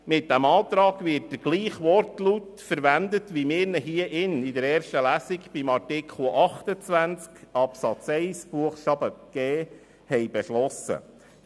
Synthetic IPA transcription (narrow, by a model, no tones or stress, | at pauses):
mɪt̚d̥æmɑːt̪ɾɑːɡvɪt̚d̥əɡ̥liːχʋɔrtlytfəɾʋænd̪ətʋimɪːɾnəɦiəʔɪnɪdəɾɛːɾʃtəlæːsikb̥imɑɾtɪkʰχl̩ˠʔɑχt̪ət͡sʋænt͡skɑpsɑt͡sɛɪsb̥uəχʃɑbəɡ̥ɛː | hɛjbɛʃlɔsə̰